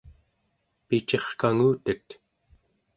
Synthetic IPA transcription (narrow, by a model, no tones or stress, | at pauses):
pit͡ʃe̞χkaŋuːt̪ət̪